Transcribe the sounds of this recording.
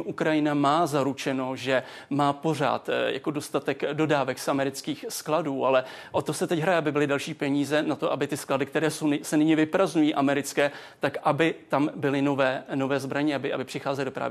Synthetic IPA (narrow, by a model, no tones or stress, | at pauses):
ʔukɾajɪnamaːzaɾut͡ʃɛno̞ʒɛ | maːpo̞r̝a̰ːt̪ja̰kodo̞st̪at̪ɛkdo̞daːvɛksʔamɛɾɪt͡skiːxskladuːʔalɛ | ʔo̞t̪osɛt̪ɛcɦɾajɛabɪbɪlɪdɛlʃiːpɛɲiːzɛnat̪oʔabɪt̪ɪskladɪk̚t̪ɛɾɛːsownsɛnɪɲɛvɪpɾazɲujiːʔamɛɾɪt͡skɛːt̪akʔabɪt̪ambɪlɪnovɛːno̞vɛːzbɾaɲɛabɪʔa̰bɪpr̝̥ɪxaːzɛlɪdo̞pɾa̰vɪ